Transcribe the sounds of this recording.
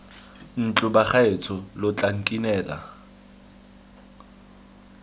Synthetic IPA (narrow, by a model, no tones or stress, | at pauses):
n̩t͡ɬʼʊbaχaet͡sʰɔlɔt͡ɬʼaŋ̩kʼinɛːla̰